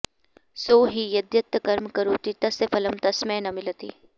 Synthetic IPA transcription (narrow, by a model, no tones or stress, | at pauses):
soːɦijɐd̪jɐt̪ːkɐɾmkɐɾoːt̪it̪ɐsefʰɐləmt̪ɐsmẽːnɐmɪlət̪ḭː